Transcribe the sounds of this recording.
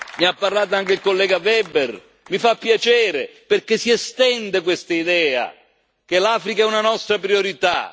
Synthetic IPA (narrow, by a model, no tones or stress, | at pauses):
niapːarlaːt̪̬oaŋk̟eilkolːɛːɡavɛber | mifapːjat͡ʃɛːɾeperk̟esiest̪ɛnd̪ek̬west̪aid̪ɛːa̰ | k̟elaːfɾikaɛunanɔst̪ɾapɾioɾit̪a̰